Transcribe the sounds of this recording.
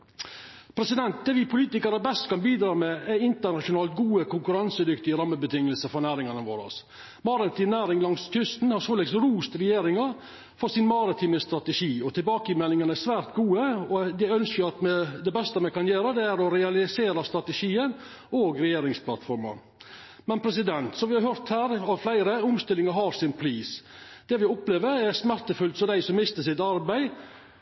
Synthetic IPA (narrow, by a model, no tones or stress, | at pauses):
pʰɾɛsɪd̪ɛnt̪̚d̪ɛːʋɪpʰʊliːt̪ɪkəɾəbɛst̪kʰɑnbiːd̪ɾɑːmɛɛɪnt̪əɳɑʂʊnɑːlt̪ɡuːəkʰʊŋkʉɾɑnsəd̪ʏkt̪ɪəɾɑmːəbət̪ʰɪŋːəlsəfɔɾnæːɾɪŋɑnəʋo̰ːɾɑ̰s | mɑɾɑt̪ʰiːnæːɾɪŋlɑŋskʰʏst̪n̩hɑɾsoːlɛɡsɾuːst̪ɾɛjeːɾɪŋəɾ | fɔɾsɪnmɑɾɑt̪ʰiːnəst̪ɾɑt̪əʂiːɔt̪ʰɪlbɑːkəɪmɛlːɪŋənəæsʋæːɾt̪ɡuːəɔd̪ɛœnskəɾɑt̪mɛd̪ɛbɛst̪əmɛkɑnjeːɾəd̪ɛæɾɔɾɛɑlɪseːɾɑst̪ɾɑt̪əʂiːən | oːɡɾɛjeːɾɪŋsplɑ̰t̪fɔɾmɑ̰ | mɛnpʰɾɛs̬ɪd̪ɛnt̪sɔʋɪhɑɾɦœɾt̪hæːɾɑʋflæɪɾəʊmst̪ɪlːɪŋəɾɦɑɾsɪnpʰɾiːsd̪̥ɛʋɪʊpleːʋəɾæɾsmæɾt̪əfʉlt̪sɔd̪æɪsɔmːɪst̪əsɪt̪ɑɾbæɪ